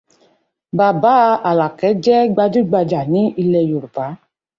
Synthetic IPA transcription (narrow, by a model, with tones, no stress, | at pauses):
ba˨ba˨˦˧a˨la˨kɛ˨˦d͡ʒɛ˦ɡ͡ba˧d͡ʒu˦ɡ͡ba˧d͡ʒa˨nĩ˨˦i˧lɛ˧jo˨ɾu˨ba˨˦